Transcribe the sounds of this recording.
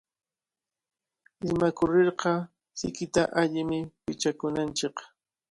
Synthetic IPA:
ɪmakʊɾeɾqɑ | sɪ̰kɪt̪aʔaʎɪmɪpɪt͡ʃakʊnant͡ʃɪk

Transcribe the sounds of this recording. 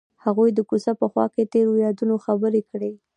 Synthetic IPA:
haɣujd̪əkusapəxwɑ̰ket̪eɾojɑd̪unoxabəɾekɽe

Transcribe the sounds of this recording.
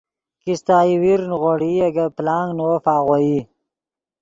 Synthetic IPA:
kist̪aːiwiɾnɣoɽijaɡaplɑːŋɡnofɑːɣoji

